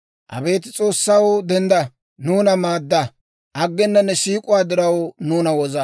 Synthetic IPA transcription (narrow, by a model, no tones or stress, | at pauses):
ʔɐ̰be̞ːt̪ɪt͡sʼo̞ːsːawd̪ɛnd̪ɐ | nuːnɐmaːd̪ːɐ | ʔɐɡːɛnːɐnːɛʃiːkʼʊwaːd̪ɪɾɐwnuːnɐwɔzɐ